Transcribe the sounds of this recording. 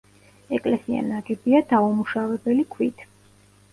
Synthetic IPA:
ɛkʼlɛsia̰naɡɛbiad̪aumuʃavɛbɛlikʰwit̪ʰ

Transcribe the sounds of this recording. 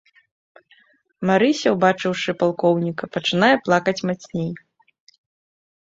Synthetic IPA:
maɾɨsʲɐwbat͡ʂɨwʂɨpalˠkɔwnʲikɐpɐt͡ʂɨn̪ajɛplˠakɐt͡sʲmat͡sʲnʲej

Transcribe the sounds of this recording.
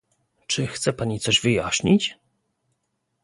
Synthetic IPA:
t͡ʂɘxt̪sɛpaɲit̪sɔʑvɘjaɕɲit͡ɕ

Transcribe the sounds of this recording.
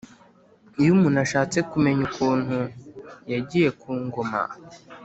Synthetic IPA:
ijumunaʃaːt͡sekume̞ɲukʰuːn̥hujaɟije̞kʰuːŋɡoma̰

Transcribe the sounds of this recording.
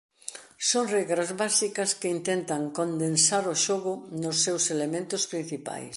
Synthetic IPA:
soŋrɛɣɾɐzβasikɐskɪint̪ɛnt̪ɐŋkond̪ensaɾʊʃoɣʊnʊsːewselemẽnt̪ʊspɾin̟θipa̰js

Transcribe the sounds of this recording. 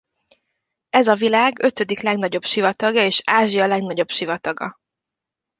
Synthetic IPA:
ɛzɒvilaːɡø̞t̪ø̞d̪iklɛɡnɒɟo̞bʃivɒt̪ɒɡjɒeːʃaːʒijɒlɛɡnɒɟo̞bʃivɒt̪ɒɡɒ̰

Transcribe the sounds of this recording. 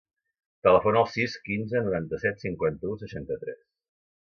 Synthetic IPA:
t̪ələfonəlˠsiskinzənuɾant̪əsɛt̪siŋkwant̪əusəʃant̪ət̪ɾɛs

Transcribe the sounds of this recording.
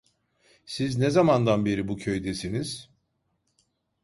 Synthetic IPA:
siznɛzamand̪anbe̞ɾibucʰøjd̪esiniz̥

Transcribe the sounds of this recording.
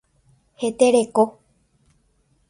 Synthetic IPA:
he̞t̪eɾe̞ko

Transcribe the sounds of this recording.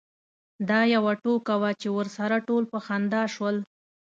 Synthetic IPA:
d̪ɑjawaʈokawat͡ʃewəɾsaɾaʈolpəxand̪ɑʃwəl

